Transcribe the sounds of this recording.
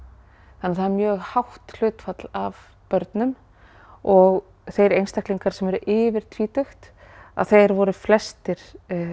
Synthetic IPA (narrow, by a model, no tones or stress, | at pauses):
θanːɪɾθaðɾmjœːɣhawht̪l̥ʏːt̪fat̪lav | pœɾt̪nʏm | ɔɣ | θejɾejnst̪ahk̪liŋkaɾ̥sɛmɛɾʏʔɪːvɪɾ̥t̪ʰviːt̪ʏxt̪ | a̰ðθejɾvɔɾʏflɛst̪ɪɾ̥